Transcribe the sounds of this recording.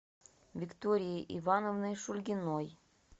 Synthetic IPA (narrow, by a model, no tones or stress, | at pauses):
vʲɪkt̪oɾʲɪjiʔḭvanovnɨjʃulʲɡʲɪnoj